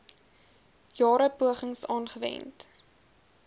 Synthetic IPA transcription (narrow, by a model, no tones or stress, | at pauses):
jɑːɾəpuəχəŋsɑːnχəvɛ̰nt